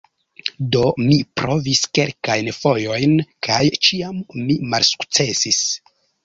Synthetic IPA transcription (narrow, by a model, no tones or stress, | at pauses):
do̞mipɾo̞viske̞lkajnfo̞jo̞jnkʰajt͡ʃiamːimalsu̥kt͡se̞sis